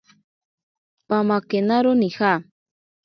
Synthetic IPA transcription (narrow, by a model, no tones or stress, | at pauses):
pamakenaɾonixa